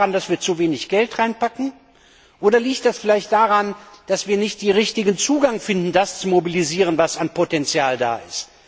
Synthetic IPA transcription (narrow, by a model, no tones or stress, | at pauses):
andasv̥iːɐt͡suveːnɪçɡ̥ɛltʁaɪnpakŋ̩ | ʔoːdɐliːktd̥asfɪlaɪçtd̥aːʁand̥asv̥iːɐnɪçt̚d̥iʁɪçtɪɡənt͡suːɡaŋfɪndn̩dast͡sumobiliziːʁ̞ənvasanpotɛnt͡sjaːlda̰ːɪst